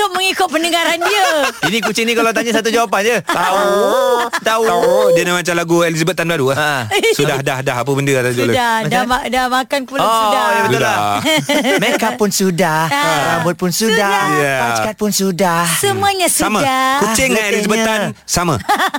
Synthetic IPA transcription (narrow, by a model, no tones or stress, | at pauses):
ʊʔ̚məŋikʊt̪̚pənəɡaɾandiəinĩkut͡ʃɪŋnikalawt̪aɲasat̪̬ud͡ʒawap̬and͡ʒət̪au | t̪auadiənamat͡ʃamlaɡuelizabət̪anbaɾuaəsudahdahdaɦap̬əbəndəat̪audadaadamakankulaɔdadabət̪ʊla | mekapʊnsudahlambʊt̪̚pʊnsudajapat͡ʃkat̪̚pʊnsudahsəmuəɲasuamãakut͡ʃɪŋːanelizabət̪ansamã